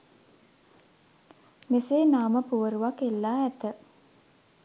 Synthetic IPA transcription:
meseːnaːməpuʋəɾuʋakelːaːɛt̪ə

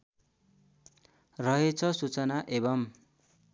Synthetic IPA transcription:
rʌɦet͡sʰʌsut͡sʌnaʔebʌm

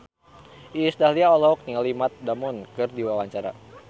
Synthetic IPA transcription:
ʔiːsdahliaɔlɔɦɔk̚nialimat̪̚damɔnkɨrdiwawaɲt͡ʃaɾa̰

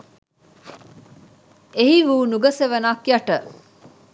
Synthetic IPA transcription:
eɦiʋuːnuɡɐseʋɐnaːkjɐʈə

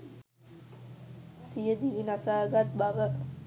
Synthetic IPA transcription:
sijəd̪iʋinasaːɡat̪̚baʋə

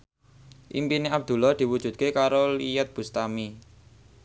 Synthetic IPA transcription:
ʔḭmpineab̚d̪̥ṳlɔhd̪̥i̤wud̥ʒ̥ṳt̪̚kekaɾolijət̪̚b̥ṳst̪ami

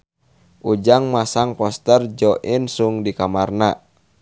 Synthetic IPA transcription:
ʔud͡ʒaŋmasaŋpɔst̪ərd͡ʒɔʔinsuŋdikamarna

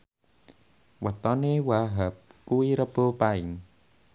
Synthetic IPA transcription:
wat̪ɔnewaɦəp̚kuiɾəpopajŋ

